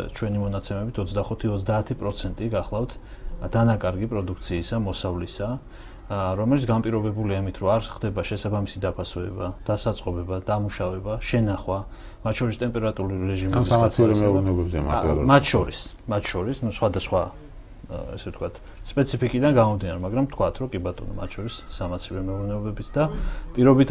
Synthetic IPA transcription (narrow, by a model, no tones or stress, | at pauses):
t͡ʃʰwɛnimɔnat̪sʰɛmɛbit̪ʰɔt̪sd̪aχut̪ʰiɔt̪s̬ʰd̪aːt̪ʰipʼɾɔt̪sʰɛnt̪ʼiɡaχlˠaft̪ʰ | d̪̥anakʼaɾɡipʼɾɔd̪ukʰt̪sʰiːsamɔsavlisa | ɾɔmɛlit̪sɡanpʼiɾɔbɛbuliaimit̪ʰɾɔaɾχd̪ɛbaʃɛsabamisid̪apʰasɔɛ̰bad̪̥asat̪sʼqʼɔbɛbad̪̥amuʃavɛbaʃɛnaχwa | mat̪ʰːʃɔɾist̪ʼɛmpʼɛɾat̪ʼuɾuiɾɛʒimɛbisasʰiɾɛmɛɔɾɛnɛɔbɛbzɛa̰a̰mat̪ʰʃɔɾis | mat̪ʰʃɔɾisnusχwad̪asχwa | ɛ̰sɛft̪ʰkʰwat̪ʰ | spʼɛt̪sʰipʰikʼid̪anɡamɔmd̪inaɾɛmaɡɾamt̪ʰkʰwat̪ʰɾɔkʼibat̪ʼɔ̰nɔ̰ma̰t̪ʰʃʰɔɾisːamat̪sʰiɾɛmɛɔvɾɛnɛɔbɛbit̪sʰd̪apʼiɾɔbit̪ʰ